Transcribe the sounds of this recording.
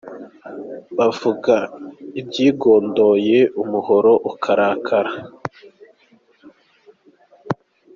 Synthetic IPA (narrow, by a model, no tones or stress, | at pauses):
bavuɡaibɟiːɡoːndo̞ːje̞ʔumuho̞ɾo̞ʔukʰaɾaːkʰaɾa